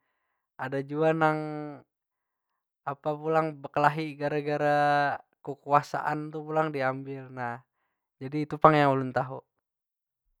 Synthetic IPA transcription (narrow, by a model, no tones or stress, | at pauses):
adad͡ʒuanaŋ | apapulaŋbəkəlaɦiɡaɾaɡaɾakukuasa̰ʔant̪upulaŋdiambilnah | d͡ʒadiːt̪upaŋjaŋulunt̪aɦu